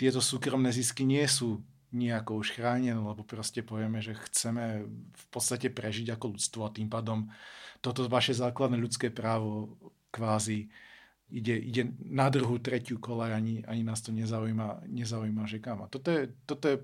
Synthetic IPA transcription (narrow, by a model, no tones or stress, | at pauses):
t̪ɪɛt̪ɔsuːkɾɔmnɛːziskiɲɪɛsuː | ɲɪɛakɔuʃxɾaːɲɛnɛlɛbɔpɾɔscɛpɔʋɪɛmɛʒɛxt͡sɛmɛfpɔt̪st̪acɛpɾɛʒiɟakɔʎut͡st̪ʋɔat̪impaːd̪ɔmt̪ɔt̪ɔʋaʃɛzaːklad̪nɛʎut͡skɛːpɾaːʋɔ | kʋaːzi | iɟɛʔiɟɛnad̪ɾuɦut̪ɾɛcɪukɔlajaɲia̰ɲinaːst̪ɔɲɛzaujmaɲɛzaujmaʒɛkaːmat̪ɔt̪ɔjɛt̪ɔt̪ɔjɛ